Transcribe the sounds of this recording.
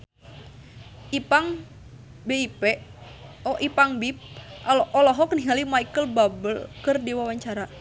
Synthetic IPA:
ipaŋ | beipɛ | ɔʔipaŋbip̚ʔalɔʔɔlɔɦɔkniɦalimaikəlbabəlkɨrdiwawaɲt͡ʃaɾa

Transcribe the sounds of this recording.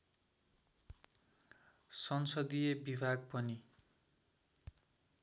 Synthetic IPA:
sʌnsʌd̪ijebibʱaɡ̚pʌni

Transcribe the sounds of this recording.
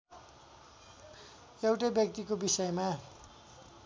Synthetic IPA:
ewʈabjʌk̚t̪ikobisʌjma

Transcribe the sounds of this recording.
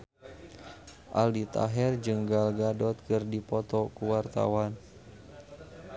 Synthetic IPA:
ʔa̰ldit̪a̰ɦɛrd͡ʒəŋɡalɡadɔt̪̚kɨrdipɔt̪ɔkuwart̪a̰wan

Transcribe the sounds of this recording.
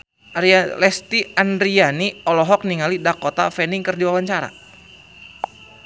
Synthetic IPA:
lɛst̪iandɾianiɔlɔɦɔk̚niŋalidakot̪a̰fɛniŋkɨrdiwawaɲt͡ʃaɾa̰

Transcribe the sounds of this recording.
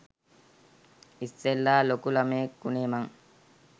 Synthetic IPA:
iselːaːlokulameːkːuneːmaŋ

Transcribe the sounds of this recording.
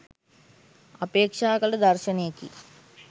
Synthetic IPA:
ɐpeːkʂaːkɐlɐd̪ɐɾʃɐneːkḭ

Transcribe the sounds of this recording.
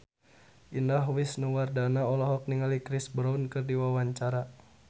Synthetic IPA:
ʔindaɦwisnuwardanaɔlɔɦɔk̚niŋalikɾɪsbɾaunkɨrdiwawaɲt͡ʃaɾa

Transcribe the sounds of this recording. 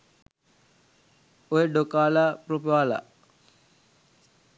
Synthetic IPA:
ojeɖokaːlaːpropaːla̰

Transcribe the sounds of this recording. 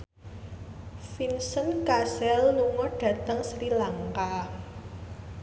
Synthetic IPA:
finsənkasɛlnuŋɔɖ̥ä̤t̪əŋsɾilaŋka

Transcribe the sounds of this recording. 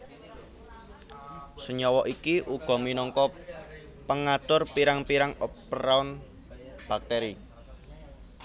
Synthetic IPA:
səɲɔwɔʔikiʔuɡ̥ɔ̤minɔŋkɔ | pəŋat̪ʊrpiɾaŋpiɾaŋɔpɾaʊn | b̥ak̚t̪eɾi

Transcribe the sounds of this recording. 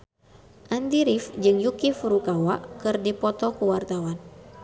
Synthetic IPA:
ʔandiɾifd͡ʒɨŋjukifuɾukawaʔkɨrdipɔt̪ɔkuwart̪awan

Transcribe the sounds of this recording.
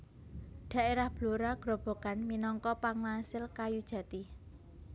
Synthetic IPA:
ɖ̪̥ä̤ʔeɾahb̥loɾaɡ̥ɾɔb̥o̤kanminɔŋkɔpaŋlasɪlkajud̥ʒ̥ä̤t̪i

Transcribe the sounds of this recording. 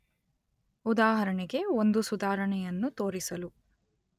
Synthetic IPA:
ud̪aːɦɐɾɐɳiɡe̞ond̪usud̪aːɾɐɳɛjɐnːut̪o̞ːɾisɐlu

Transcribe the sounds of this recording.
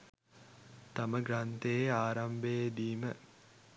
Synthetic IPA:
t̪aməɡɾant̪ejaːɾambed̪iːmə

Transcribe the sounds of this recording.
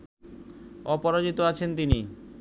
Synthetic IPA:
ɔpɔɾad͡ʑit̪oat͡ɕʰent̪ini

